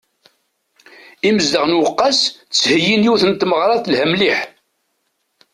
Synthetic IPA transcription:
iməzd̪əʁnwəqːɑst͡sːhəjːinjuθənt̪məʁɾˤɑθlhæmliħ

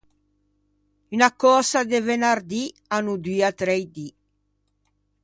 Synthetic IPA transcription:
ynakɔsad̪evenaɾd̪i | anud̪yat̪ɾɛjd̪i

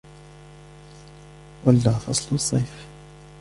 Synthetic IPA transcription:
walːaθɑ̰sˤlusˤːɑjf

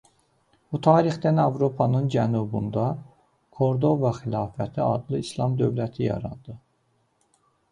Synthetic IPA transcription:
b̥ut̪ʰɑːɾixd̪ænɑvɾo̞pʰɑnɯnd͡ʒænubṵnd̪ɑ | kʰo̞ɾd̪o̞vɑxilˠɑːfæt̪ʰiɑd̪lˠɯislˠɑmd̪ø̞vlæt̪ʰijɑ̰ɾɑnd̪ɯ

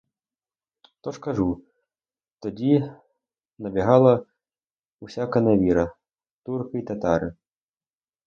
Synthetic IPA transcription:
t̪ɔʂkaʐu | t̪ɔd͡zʲi | nɐbʲɛɦalˠɐ | usʲakɐnavʲiɾɐ | t̪urkɐit̪at̪aɾɨ

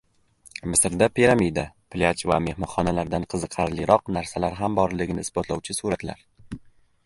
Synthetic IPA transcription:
mɪsɾd̪apʰiɾamid̪apʰlʲat͡ʃva̰me̞hmɒχɒnalaɾd̪anqʰɨzɨqʰɑɾlɪɾɒqnaɾsalaɾɦambɒɾlɪɡʲɪnɪɪsbɒt̪lˠɒwt͡ʃʰɪsuɾat̪la̰ɾ

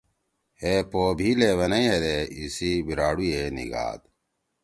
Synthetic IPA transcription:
heːpoːbʱileːʋɐnɐĩɦed̪eisibiɾaːɽujeːnḭɡa̰ːd̪̚

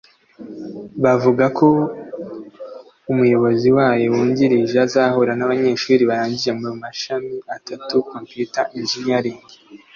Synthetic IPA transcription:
βavuɡako̞ | umujo̞βo̞ziwaːjo̞wuːɲɟiɾiʒazahoɾanaβaɲe̞ːʃuːɾiβaɾaːɲɟiʒe̞momumaʃamiatatukompjutaʔinʒinjaɾiːɲɡe

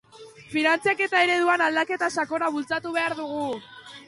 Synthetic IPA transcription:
finant͡siake̞t̪ae̞ɾe̞ðuanald̪ake̞t̪asako̞ɾaβult͡sat̪uβ̞e̞aɾðuɣ̞u

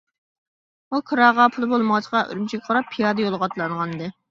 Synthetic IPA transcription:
ukʰɨɾɑʁɑpʰulˠbolˠməʁɑt͡ʃʰə̥qɑʔy̰ɾymt͡ʃʰikʲɑqʰɑɾɑpʰːijɑːd̪əjolˠʁɑt̪lˠɑɴʁɑnɨd̪ɨ

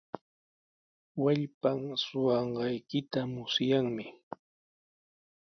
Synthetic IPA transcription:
waʎpamsʊwɑɴɢɑjkɪt̪amʊsjaŋmɪ

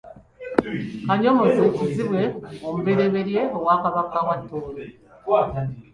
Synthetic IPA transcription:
kaɲomozeciziβwe̞omuβe̞ɾe̞βe̞ɾje̞owaːkaβakawatːo

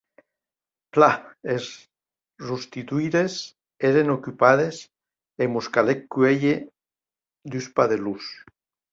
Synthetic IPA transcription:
plaes | rust̪it̪uiɾes | eɾenokypaðes | emuskalekːyeʎe | d̪yspaðelus

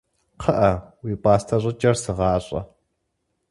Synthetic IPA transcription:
qʰəʔɐwiːpʼɑːstʰɐɕʷʼɪt͡ʃʼɐrsɨʁɑːɕʼɐ̰

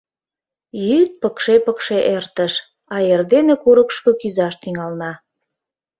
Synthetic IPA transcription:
jyt̪̚pəkʃepəkʃeʔert̪əʃ | ɑerd̪enekuɾəkʃkokyzɑʃt̪iŋɑlnɑ

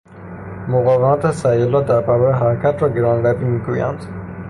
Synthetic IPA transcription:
moɣɒːvemæt̪ʰesæjelɒːd̪æɾbæɾɔɾeɦæɾækʰæt̪ʰɾɒɡeɾɒnvæbimiɡujæ̰nd̪

